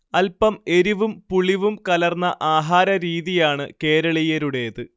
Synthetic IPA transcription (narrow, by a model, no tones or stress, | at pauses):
ɐlpɐme̞ɾiʋumpuɭiʋumkɐlɐrnːɐʔaːɦaːɾɐɾiːðijaːɳɨke̞ːɾɐɭijɐɾuɽe̞ːðɨ